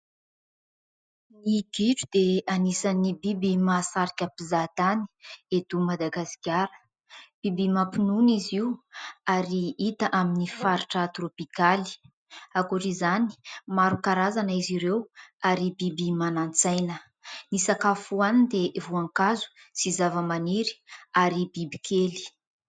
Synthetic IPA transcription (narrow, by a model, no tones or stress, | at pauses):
niɡiʈ͡ʂud̪eanisanibibimasaɾikʲapizat̪ani̥ed̪umad̪aɡasi̥kʲaɾə̥ | b̥ibimapinuniziuaɾiit̪əʔaminifaɾiʈ͡ʂət̪ropikali̥ | akuʈ͡ʂizani̥maɾukaɾazanəiziɾewaɾibibimanant͡sajnə | nisakafuanind̪evuaŋkazu̥ | sizavəmaniɾi̥aɾibibikʰeli̥